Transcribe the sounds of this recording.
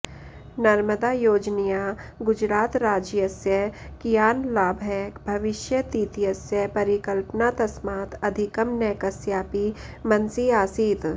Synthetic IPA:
nɐɾməd̪aːjoːd͡ʒnijaɡʊd͡ʒɾaːt̪ɾaːd͡ʒjəsjəkijaːnlaːbʱɦɛbʱɐʋɪʃjət̪iːt̪ijəsjəpɐɾɪkəlpnat̪ɐsmaːt̪ɐd̪ʱɪkəmnɛːkəsjaːpimɐnsiaːsiːt̪

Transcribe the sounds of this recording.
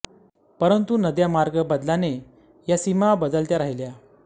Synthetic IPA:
pəɾənt̪unəd̪jamaɾɡəbəd̪lane | jasimabəd̪əlt̪jaɾaɦilja

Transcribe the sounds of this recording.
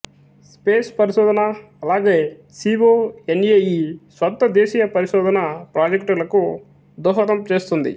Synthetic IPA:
speːspɐɾiʃɔːd̪ɐnɐ | ɐlaːɡe̞ː | siːboːenejisʋɐt̪ːɐd̪eːʃiːjɐpɐɾiʃɔːd̪ɐnɐpɾaːd͡ʒekʈulɐku | d̪ɔːɦɐt̪ɐmt͡ʃe̞ːst̪und̪ḭ

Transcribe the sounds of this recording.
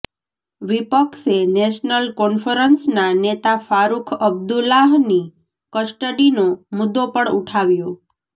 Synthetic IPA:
ʋipəkseneʃnəlkɔnfəɾənsnanet̪afaɾukʰəb̚d̪ulaɦni | kəsʈəɽinomʊd̪ːopəɳuʈʰaʋjo

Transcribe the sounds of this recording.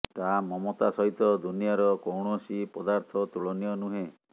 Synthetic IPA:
t̪amɔmot̪asɔɦit̪ɔd̪unijaɾɔkowɽ̃uɔsipɔd̪aɾt̪ʰɔt̪uɭɔnijɔnuɦẽ

